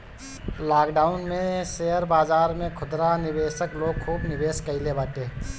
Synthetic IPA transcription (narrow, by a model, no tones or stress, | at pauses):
laːkɖaːʊnmẽseːəɾbaːzaːɾmẽkʰʊd̪ɾanɪʋeːʃəkloːɡ̚kʰuːbnɪbeːskəɪlebaːʈeː